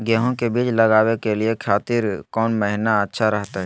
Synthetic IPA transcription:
ɡɛːɦõkebiːt͡ʃlɐɡaːwekeliekʰaːt̪iːɾkɔːnməɦnaɐtːʃʰaɾɐɦt̪aɦɛ

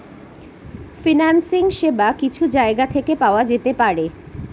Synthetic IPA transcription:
finansiŋʃebakit͡ɕʰud͡ʑaeɡat̪ʰekepaoad͡ʑet̪epaɾe

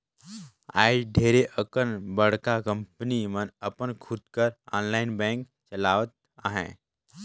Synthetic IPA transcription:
a̰ːɪɖʱeːɾeʔəkənbəɽ̤kakə̃mpənimənəpənkʰʊd̪̚kəɾɔ̃ːnlaːɪnbɛ̃ːŋk | t͡ʃəlaːʋət̪̚ | aɦɛ̰̃ː

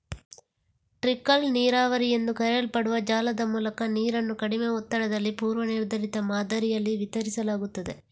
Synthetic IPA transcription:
ʈɾikːɐlniːɾaːʋɐɾije̞nd̪ukɐɾelpɐɽuʋɐd͡ʒaːlɐd̪ɐmuːlɐkɐniːɾɐnːukɐɽimeɔt̪ːɐɽɐd̪ɐlːipuːɾʋɐniɾd̪ʱɐɾit̪ɐmaːd̪ɐɾijɐlːiʋit̪ɐɾisɐlaːɡut̪ːɐd̪e̞

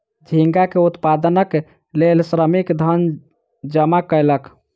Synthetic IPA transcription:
d͡ʒʱiŋɡakeut̪pad̪ənək | lelsɾəmikd̪ʱən | d͡ʒəmakəjlək

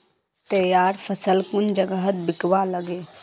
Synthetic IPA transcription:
t̪əjaːɾpʰəsəlkʊnd͡ʒəɡəɦət̪̚bɪkʋaləɡeː

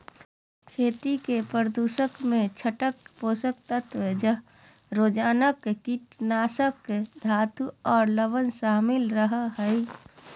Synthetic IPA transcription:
kʰeːt̪ikepəɾd̪uːʃəkmẽt͡ʃʰəʈəkpoːsək̚t̪ət̪ʰʋed͡ʒə | ɾoːd͡ʒaːnəkkiʈnaːsəkd̪ʱaːt̪uɔːɾləbənsaːmɪlɾəɦəɦəi

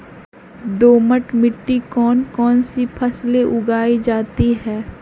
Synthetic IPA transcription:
d̪oːməʈmɪʈːikɔːnkɔːnsipʰɐsleʔʊɡaːid͡ʒaːt̪iɦɛː

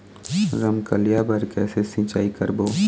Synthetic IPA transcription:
ɾɐmkɐlijabɐɾkɛːsesĩːt͡ʃaːikəɾboː

